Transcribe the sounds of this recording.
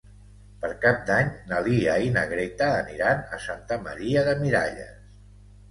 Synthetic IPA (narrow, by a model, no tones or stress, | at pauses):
pəɾkap̚d̪aɲnəliainəɣɾet̪aːniɾanəsant̪əmə̰ɾiəðəmiɾaʎə̰s